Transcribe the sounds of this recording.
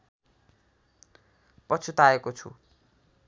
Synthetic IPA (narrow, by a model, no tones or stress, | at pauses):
pʌt͡sʰut̪aekot͡sʰṵ